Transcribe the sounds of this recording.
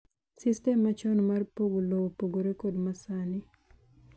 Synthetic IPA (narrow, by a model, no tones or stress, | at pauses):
sistɛmːat͡ʃɔnmarpoɡolowpoɡoɾekodmasani